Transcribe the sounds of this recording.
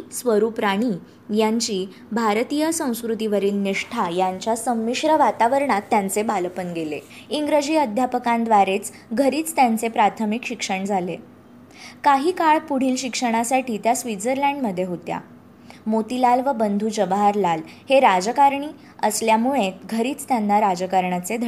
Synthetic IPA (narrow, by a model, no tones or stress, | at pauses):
sʋəɾuːpɾaɽ̃iː | jaɲt͡ɕiː | bʱaɾt̪ijəsə̃w̃skɾut̪iʋəɾiːlniʂʈʰajaɲt͡ɕjasəmːiɕɾəʋat̪aʋəɾɳat̪ːjant͡sebaləpənɡele | iŋɡɾəd͡ʑiːəd̪ʱjapəkãnd̪ʋaɾet͡s | ɡʱəɾiːt͡st̪jant͡sepɾat̪ʰəmikɕikʂəɳd͡zʱalḛ | kaɦiːkaɭpuɽ̤iːlɕikʂəɽ̃asaʈiːt̪jasʋid͡zəɾlãɳɖməd̪ʱːjeɦot̪ja̰ | mot̪ilalʋəbənd̪ʱuːd͡ʑəbɦaɾlal | heɾad͡ʑəkaɾɳiː | əsljamuɭ̃et̪ɡʱəɾiːt͡st̪janːaɾad͡ʑəkəɾɳat͡sed̪ʱ